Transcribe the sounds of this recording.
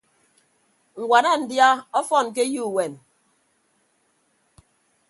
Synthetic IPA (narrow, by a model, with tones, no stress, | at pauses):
ŋ̩˨wʷa˨na˦˨n̩˨dja˦ɔ˦fɔ˦˨n˨k̬e˦ju˦˨we˨n